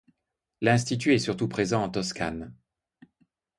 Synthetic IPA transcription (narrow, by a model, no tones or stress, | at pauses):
lɛ̃st̪it̪yɛsyʁt̪upχezɑ̃ɑ̃t̪ɔska̰n